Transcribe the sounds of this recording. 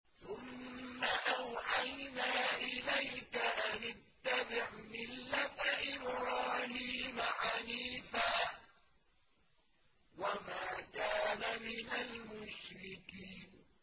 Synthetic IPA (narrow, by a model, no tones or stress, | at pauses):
θʊmːaʔawʕajnaːʔɪlajkaʔanɪt̪ːabɪʕmɪlːat̪ʔɪbɾɑːhiːmaʕaniːfaː | wamaːd̪aːnamɪnalmʊʃɾɪkiːn